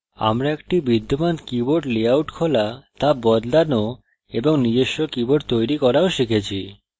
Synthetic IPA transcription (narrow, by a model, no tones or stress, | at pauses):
a̰mɾaek̚ʈibid̪ːomankiboʈleawʈkʰolat̪abɔd̪lano | eboŋnid͡ʑeʃːokiboʈt̪ojɾikɔɾaoʃikʰet͡ɕʰi